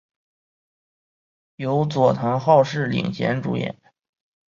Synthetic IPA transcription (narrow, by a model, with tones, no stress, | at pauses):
jo˧˥ʊt͡swɔ˨˩t̪ʰɤ˧˥ŋxɑ˥˧ʊʂɻ̩˥˩lḭ˨˩ŋɕjɛ̰˧˥nʈ͡ʂṵ˧˥jɛ̰˨˩˦n